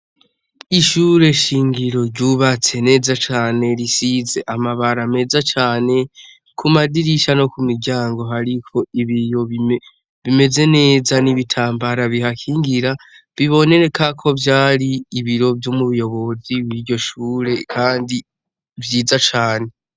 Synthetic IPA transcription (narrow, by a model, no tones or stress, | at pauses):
iʃuɾe̞ʃiːŋɡiɾo̞ɾɟuβat͡se̞ne̞ːzat͡ʃaːne̞ɾisize̞ʔamaβaɾame̞zat͡ʃaːne̞ | kʰumadiɾiʃano̞kumiɾɟaːŋɡo̞ɦaɾikʰo̞iβijo̞βi | βime̞ze̞ne̞ːzaniβitʰaːmbaɾaβiɦakʰiːŋɡiɾa | βiβo̞ne̞ɾe̞kʰakʰo̞vjaːɾiːβiɾo̞vjomuβujo̞βo̞ziβwiɾɟo̞ʃuːɾe̞kʰaːndi | vjiːzat͡ʃaːne̞